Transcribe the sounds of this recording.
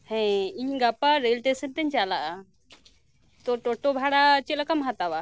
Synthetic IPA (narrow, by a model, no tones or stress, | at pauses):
hɛ̃iɲɡapaɾelʈesənt̪ɛɲt͡ʃalaʔa | t̪ɔʈɔʈɔbʱaɽat͡ʃɛlakamɦat̪awa